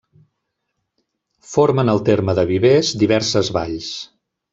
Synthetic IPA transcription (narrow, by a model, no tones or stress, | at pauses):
foɾmənəlˠt̪eɾməðəβiβezd̪iβɛrsəzβaʎs